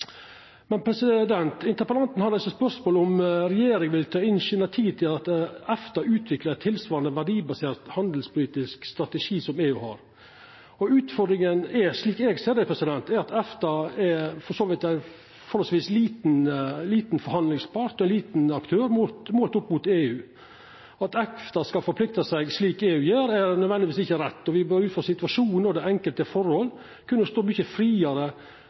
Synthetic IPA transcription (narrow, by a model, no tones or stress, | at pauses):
mɛnpʰɾɛsɪd̪ɛnt̪ɪnt̪əɾpəlɑnt̪n̩hɑd̪ɛsəspœʂmoːlɔmɾɛjeːɾɪŋʋɪlt̪ʰɑːɪnsɛnæɪt̪ʰiːd̪̚t̪ɪlɑt̪ɛft̪ɑʉːt̪ʰʋɪkləɾɛt̪ʰːɪlsʋɑːɾɑnd̪əʋæɖiːbɑseːɾt̪hɑnd̪l̩spʰʊliːt̪ɪskst̪ɾɑt̪ɛʂiːsɔmeːʉhɑ̰ɾ | ɔʉːt̪fɔd̪ɾɪŋənɛʂliːkɛɡseːd̪əpʰɾɛsɪd̪ɛnt̪ɛɾɑt̪ɛft̪ɑɛfɔʂoːʋɪt̪æɪn | fɔɾhɔsʋiːsliːt̪nliːt̪nfɔɾhɑnd̪lɪŋspɑɾt̪ɔæɪnliːt̪nɑkt̪ʰøːɾmʊt̪moːlt̪ʊpːmʊt̪eːʉː | ɑt̪ɛft̪ɑskɑfɔɾpʰlɪk̚t̪ɑsæɪɡsliːkeːʉːjeːɾɛɾnœd̪ʋɛnd̪ɪʋiːsɪçəɾɛt̪ːɔʋɪbøːɾʉːt̪fɔsɪt̪ʉʋɑʂuːnnɔd̪ɛɛŋkəlt̪əfɔɾhɔlː | kʰʉnːəst̪oːmyçəfɾiːɑɾə